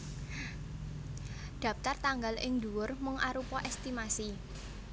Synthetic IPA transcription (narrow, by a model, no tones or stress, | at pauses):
d̪̥a̤p̚t̪art̪aŋɡalʔɪŋd̪ṳwʊrməŋʔaɾupɔʔɛst̪imasi